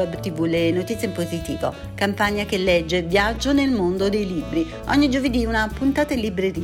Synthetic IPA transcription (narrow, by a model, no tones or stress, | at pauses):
ɛbt̪ivulenot̪it̪sjempozit̪ḭːvo̰ | kampaɲːakelːɛd͡ʒːevjad͡ʒːonelmond̪od̪ejlibɾi | ɔ̰ɲːid͡ʒoved̪iunapunt̪aːt̪alibɾeɾi